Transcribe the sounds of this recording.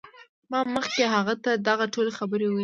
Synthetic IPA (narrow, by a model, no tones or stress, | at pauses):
mɑməxkeɦaɣat̪ad̪aɣaʈolexabəɾewə